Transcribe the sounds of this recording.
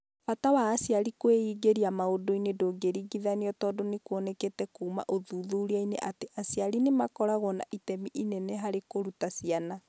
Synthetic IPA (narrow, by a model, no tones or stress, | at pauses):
fatawaːsjaɾikweiːɡeɾiamaodoinedoːɡeɾiɡiðaniɔtɔːdonekwɔnɛketɛkuːma̰ʔoðuːðuɾiainḛʔateʔasjaɾinemakɔɾaɣɔna̰ʔitɛmiʔinɛnɛɦaɾekoɾutasiana